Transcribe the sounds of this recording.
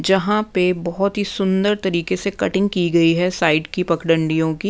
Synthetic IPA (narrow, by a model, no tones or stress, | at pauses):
d͡ʒɐɦãpebɐɦɔt̪ɦisʊ̃nd̪əɾt̪ɐɾiːkesekɐʈɪ̃ŋɡ̚kiɡɐiɦɛːsaːɪɖkipɐkɽə̃ɳɖijõki